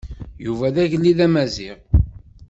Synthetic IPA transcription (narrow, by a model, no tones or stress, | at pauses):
juvæðæʝəlːiðæmæziʁ